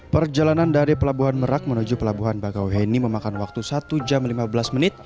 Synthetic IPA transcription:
pərd͡ʒalanandaɾipəlabuɦanməɾak̚mənud͡ʒupəlabuɦanbakawɦeniməmakanwak̚t̪usat̪ud͡ʒamlimabəlasmənɪt̪̚

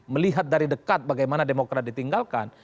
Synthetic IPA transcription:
məliɦat̪̚daɾidəkat̪̚baɡajmanademokɾat̪̚dit̪iŋɡalka̰n

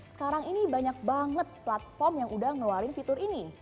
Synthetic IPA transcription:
sə̥kaɾaŋinibaɲak̚baŋət̪̚plat̪̚fɔrmjaŋʔudaŋnoaɾɪnfit̪ʊrini

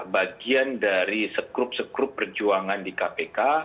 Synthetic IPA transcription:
baɡiandaɾisəkɾʊp̚səkɾʊpːərd͡ʒuaŋandikapeka

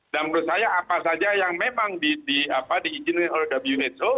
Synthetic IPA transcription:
damɾʊt̪̚sajaːpasad͡ʒajaŋmemaŋdidiapadiːd͡ʒɪnkanolɛhdabəljuɛt͡ʃo

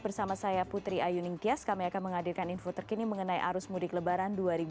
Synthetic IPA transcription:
bərsamasajaput̪ɾiajunɪŋt̪iaskamiakanməŋadilkaninfot̪ərkiniməŋənajʔa̰ɾʊsmudɪkləbaɾanduaɾib

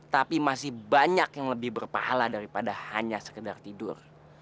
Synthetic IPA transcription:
t̪apimasɪhbaɲakjaŋləbɪhbərpa̰ha̰ladaɾipadahaɲasə̥kədart̪idʊr

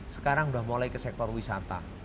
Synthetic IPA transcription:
sə̥kaɾaŋuda̤hmolaikəsɛk̚t̪ɔrwisa̰t̪a̰

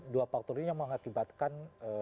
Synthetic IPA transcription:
duafak̚t̪ɔrijaŋməŋakibat̪̚kanə

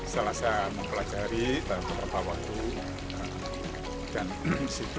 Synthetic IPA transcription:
səlasaməŋpəlad͡ʒaɾibakərap̪awak̚t̪u | ə | d̥ansit

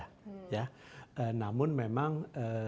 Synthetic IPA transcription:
jaʔəːnaːmunmamaŋʔəː

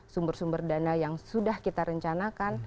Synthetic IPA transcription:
sumbərsumbərdanajaŋsudahkit̪aɾəɲt͡ʃanakan

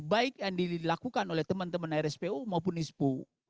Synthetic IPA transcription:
baik̚jaŋdilakukanolɛht̪əmənt̪əmənaiɾɛspeumaup̬ʊnispu

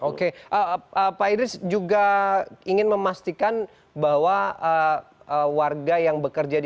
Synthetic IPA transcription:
okeʔəəpaidɪsd͡ʒuɡaiŋɪnməmast̪ikan | baɦwaəəwarɡajaŋbəkərd͡ʒad

